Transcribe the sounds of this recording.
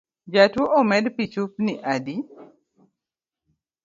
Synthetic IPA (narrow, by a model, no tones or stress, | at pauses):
d͡ʒatwoʔomɛdpit͡ʃup̚niʔadi